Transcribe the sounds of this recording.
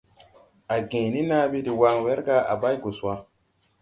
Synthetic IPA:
a˨ɡẽ˨ni˦na˦bi˦di˨wa˦ŋwɛ˦ɾɡa˦a̰˨ba˦jɡo˨swa˦

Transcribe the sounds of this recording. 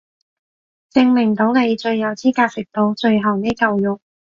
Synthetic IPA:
t͡sɪ˧ŋmɪ˨˩ŋt̪o˨˥wne˨˧jt͡ʃɵ˧ɥːɐ˨˧wt͡siː˥kaː˧sɪ˨k̚t̪o˨˧wt͡ʃɵ˧ɥɦɐ˨wneː˥kɐ˧wjʊ˨k̚

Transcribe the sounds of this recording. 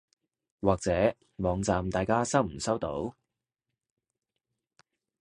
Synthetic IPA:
waː˨k̚t͡sɛː˨˥ | mɔː˨˧ŋt͡saː˨mt̪aː˨jkaː˥sɐ˥wm̩˨˩sɐ˥wt̪o̰˨˥w

